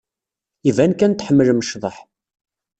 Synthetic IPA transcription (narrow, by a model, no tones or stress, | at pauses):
ivænkænt̪ħəmːəlməʃðˤəħ